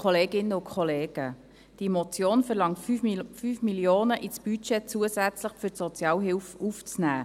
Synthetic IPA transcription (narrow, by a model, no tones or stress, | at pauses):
kʰoleːɡɪnəʊkʰχoleːɡ̥ə | d̥imot͡sjoːnfɛɾlɑŋtyfyfmiljoːnəʔit͡sb̥yt͡ʃɛt͡suəsæt͡slɪχfytsot͡sjɑːlɦɪlfuft͡snæː